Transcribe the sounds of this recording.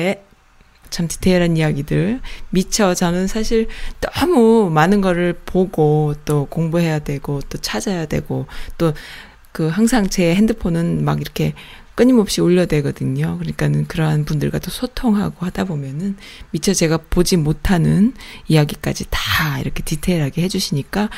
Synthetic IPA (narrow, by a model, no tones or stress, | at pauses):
e | t͡ɕʰamti̥tʰeɾanijaɡidɯɭmit͡ɕʰʌt͡ɕʌnɯnsʰaɕʰiɭnʌmumanɯnɡʌɾɯɭpoɡot͈okoŋbuɦe̞jadwe̞ɡot͈ot͡ɕʰad͡ʑajadwe̞̰ɡot͈o | kɯɦaŋsʰaŋt͡ɕe̞ɦe̞ndɯpʰonɯnma̰ɡiɾʌkʰe̞ | k͈ɯɲimʌp̚ɕ͈ioʎːʌdwe̞ɡʌdɯɲokɯɯɲik͈anɯnkɯɾʌɦanpundɯɭɡa̰t͈osʰotʰoŋɦa̰ɡohad̥abomjʌnɯnmit͡ɕʰʌt͡ɕe̞ɡapod͡ʑimotʰanɯnijaɡik͈a̰d͡ʑitḁḭɾʌkʰe̞titʰe̞ɾaɡehe̞d͡ʑuɕʰiɲik͈a